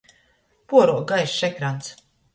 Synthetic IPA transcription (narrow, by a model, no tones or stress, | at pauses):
puɔɾuɔɡajʃʃɛkɾant̪s